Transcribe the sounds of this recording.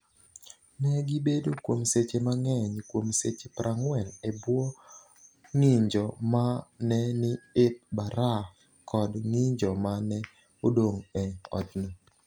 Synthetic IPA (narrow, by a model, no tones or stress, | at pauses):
nɛɡibedokwomset͡ʃemaŋɛɲkwomset͡ʃepɾʔaŋwɛlebwo | ŋiɲd͡ʒɔmanɛnɪɪp̚baɾa | kʰɔdŋɪɲd͡ʒɔmanɛ | odoŋɛɔ̰tno